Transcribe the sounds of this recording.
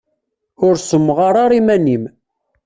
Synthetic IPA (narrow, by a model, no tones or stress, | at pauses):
ʊɾsəmːʁɑɾˤɑɾˤimænim